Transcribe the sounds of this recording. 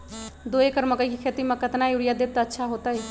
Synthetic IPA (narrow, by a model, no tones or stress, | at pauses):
d̪oekəɾməkəjkikʰet̪imekət̪najuɾijad̪ep̚t̪əːtːʃʰaɦot̪əj